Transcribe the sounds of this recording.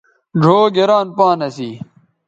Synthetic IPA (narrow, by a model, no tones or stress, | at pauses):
ɖʱoːɡeɾaːnpaːnɐsiː